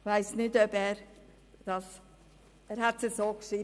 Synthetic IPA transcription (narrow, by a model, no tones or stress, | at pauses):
vaɪsnɪdœbɛːɾ | d̥ɑs | ɛːɾhætsəsoːkʃi